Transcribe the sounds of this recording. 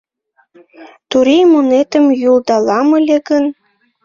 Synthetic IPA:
t̪uɾijmonet̪əmjuld̪ɑlɑmə̆lʲeɡən

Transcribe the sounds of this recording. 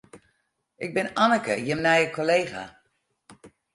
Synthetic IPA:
ʔɪɡ̚bɪnanəkəjəmnɛjəkʰoleːɣa̰

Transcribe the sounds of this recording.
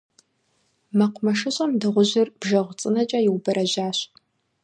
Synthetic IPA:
mɐqʷʊmɐʂɨɕʼɐmdɨʁʷʊʑɪrb̥ʒɐʁʷt͡sʼɨnɐt͡ʃʼajɪwbɐɾɐʑaːɕ

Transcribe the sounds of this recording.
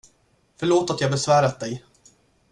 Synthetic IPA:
fœɭoːt̪at̪jaːɡbɛsvæːɾat̪̚d̪ɛj

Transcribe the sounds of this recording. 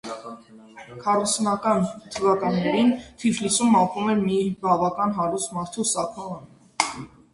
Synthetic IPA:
kʰɑrusnɑkɑnt̪ʰəvɑkɑnːɛɾint̪ʰiflisumɑpumɛmibɑvɑkɑnɦɑɾust̪mɑɾt̪ʰusɑkʰɔʁə

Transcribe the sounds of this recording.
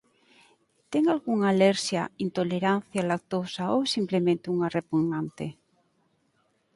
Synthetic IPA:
t̪eŋalɣuŋaleɾsja̰int̪oleɾanθjalak̚t̪osaosimplemẽnt̪euŋarepuɣnant̪e

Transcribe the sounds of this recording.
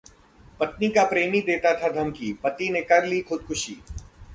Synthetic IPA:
pɐt̪nikapɾeːmid̪eːt̪at̪ʰad̪ʱɐmkipɐt̪inekɐɾliːxʊd̪̚kʰʊʃḭː

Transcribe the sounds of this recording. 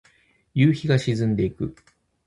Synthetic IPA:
jɨ̟ːçiɡaɕizɨ̃nd̪e̞ikɯ̟

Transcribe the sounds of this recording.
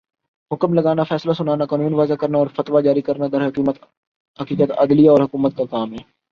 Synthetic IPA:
ɦʊkəmlɐɡaːnafɛːslasʊnaːnakaːnuːnʋaːzakɐɾnaɔːɾfɐt̪wad͡ʒaːɾikɐɾnad̪ɐɾɦɐkiːmət̪ | ɦɐkiːkət̪ɐ̰d̪lijaɔːɾɦʊkuːmət̪̚kakaːmɦɛː

